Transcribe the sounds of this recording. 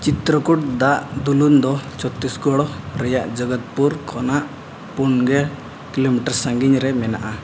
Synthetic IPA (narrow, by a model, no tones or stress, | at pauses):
t͡ʃit̪ɾɔkuʈ̚d̪aʔd̪ulund̪ɔt͡ʃɔt̪ːisɡɔɽɔɾɛjaʔd͡ʒəɡɔt̪̚puɾkʰɔnaʔ | punɡɛ | kilomiʈəɾsaŋɡiɲɾɛmɛnaʔa